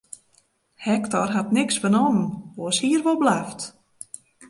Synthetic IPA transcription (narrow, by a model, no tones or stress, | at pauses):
hɛktɔrɦatnɪksfənɔmənoəshiərʋolˠblaft